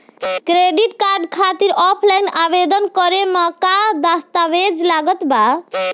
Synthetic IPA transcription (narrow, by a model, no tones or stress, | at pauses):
kɾeɖiʈkaɾɖkʰat̪iɾɔpʰlajnabed̪ənkɔɾemɔkad̪ast̪aʋed͡ʒlaɡət̪ba